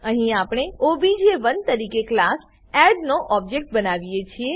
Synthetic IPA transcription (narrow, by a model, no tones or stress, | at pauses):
əɦĩapɽ̃eobid͡ʒeʋənt̪əɾikeklas | ɛɾɖnoʔɔb̚d͡ʒek̚ʈ̚bənaʋijet͡ʃʰie